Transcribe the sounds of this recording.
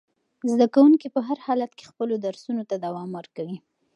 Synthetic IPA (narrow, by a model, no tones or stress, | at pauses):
zd̪akawuŋkipəɦaɾhɑlat̪ke̥xpəlod̪aɾsunot̪ad̪awɑmwəɾkawi